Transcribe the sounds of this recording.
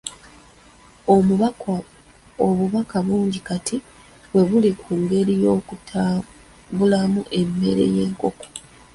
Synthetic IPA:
o | oβuβakaβuːɲɟikatʰi | βwe̞βulikuŋɡe̞ɾijo̞ːkuta | bulamuʔe̞mːe̞̰ɾe̞̰je̞ːŋko̞ko̥

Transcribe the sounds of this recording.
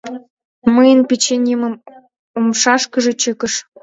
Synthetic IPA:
məjənpʲet͡ɕenʲimə̆m | omʃɑʃkɤ̆ʒĕt͡ɕɤ̆kə̆ʃ

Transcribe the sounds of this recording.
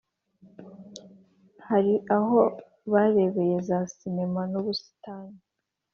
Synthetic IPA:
haɾiʔaɦo̞ | βaɾe̞βe̞je̞zasinemanoβusi̥taːna

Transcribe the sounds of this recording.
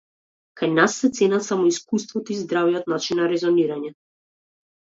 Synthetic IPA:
kajnasːɛt̪sɛnat̪samɔiskust̪vɔt̪ɔizd̪ɾavijɔt̪̚nat͡ʃinːaɾɛzɔniɾaɲɛ

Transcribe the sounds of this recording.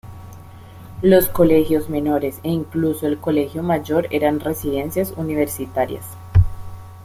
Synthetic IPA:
lo̞sko̞le̞xjo̞zme̞no̞ɾe̞seiŋkluso̞elko̞le̞xjomaʝo̞ɾe̞̰ɾanre̞siðe̞nsjasuniβe̞ɾsit̪aɾja̰s

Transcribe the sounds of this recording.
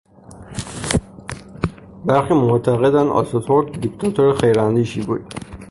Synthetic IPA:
bæɾxiːmot̪ʰæɣed̪ænd̪ɒ̰sot̪ʰoɾd̪d̪ikt̪ʰɒt̪ʰoɾexejɾænd̪iːʃibṵːd̪̥

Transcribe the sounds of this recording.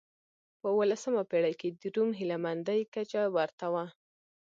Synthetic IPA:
pəwəlasəmapeɽajked̪əɾumɦɪlamand̪ajkat͡ʃawaɾt̪awa

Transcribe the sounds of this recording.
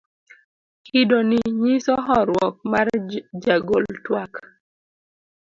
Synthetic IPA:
hidoniɲisɔɦɔɾwɔk̚mard͡ʒaɡoltwak

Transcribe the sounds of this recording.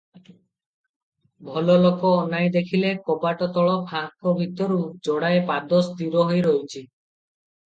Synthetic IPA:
bʱɔlɔlokɔːnajd̪ekʰilekɔpaʈɔt̪ɔɭɔpʰaɦkʰɔbʱit̪ɔɾud͡ʒɔɽaepad̪ɔsd̪iɾɔɦojɾojt͡ʃʰi

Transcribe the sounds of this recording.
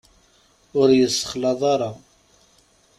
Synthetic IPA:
ʊɾjəsːə̥χlɑðˤɑɾˤɑ

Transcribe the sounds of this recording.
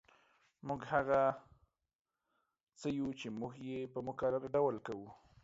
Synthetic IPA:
muɡhaɣa | t͡səjut͡ʃemuɡjepəmʊkaɾaɾaɖawalkawu

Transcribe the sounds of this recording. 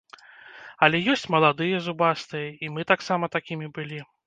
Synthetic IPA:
ɐlʲɛjɔsʲt͡sʲmɐlˠad̪ɨjɐzubast̪ɨjɐimɨt̪aksamɐt̪akʲimʲibɨlʲi

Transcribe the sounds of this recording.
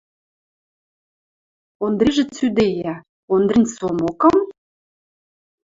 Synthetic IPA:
ond̪ɾiʒĕt͡syd̪ejæ | ond̪rinʲsomokɤm

